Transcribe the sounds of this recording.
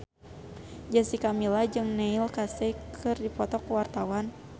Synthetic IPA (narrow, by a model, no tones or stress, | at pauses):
d͡ʒasikamilad͡ʒɨŋnɛilkasɛkʰɨrdipɔt̪ɔkəwart̪awan